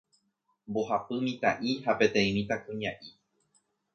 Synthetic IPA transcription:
mbohapɨmĩt̪a̰ʔihape̞t̪ẽ̞ĩmĩt̪akũɲãʔi

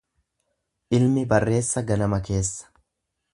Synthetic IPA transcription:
ʔɪlmɪbɐrːe̞ːsːɐɡɐnɐmɐke̞ːsːɐ̥

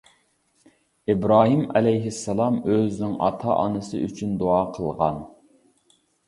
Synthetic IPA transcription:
ibɾɑːɦimɛlɛjɦɪsːɑlˠɑmøznɪŋʔɑ̰t̪ʰɑ̰ʔɑ̰nɨsɨ̰ʔyt͡ʃʰynd̪oɑːqʰəlˠʁɑ̰n

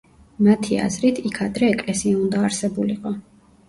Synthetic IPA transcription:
mat̪ʰia̰zɾit̪ʰikʰad̪ɾɛːkʼlɛsiaund̪aːɾsɛbuliqʼɔ

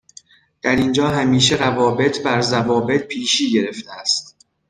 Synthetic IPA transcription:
d̪̥æɾind͡ʒɒːɦæmiːʃe̞ɾævɒːbe̞t̪ʰbæɾzævɒːbe̞t̪̚pʰiːʃiːɟe̞ɾeft̪ʰeæst̪

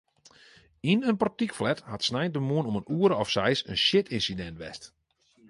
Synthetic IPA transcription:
inənpɔtikflɛthatsnɛjndəmuənɔmənuəɾəɔfsɛjsə̰nʃjɪtʰɪnsidɛntʋɛ̰st

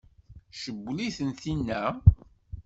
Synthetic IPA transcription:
ʃəbːliθənθinːæ

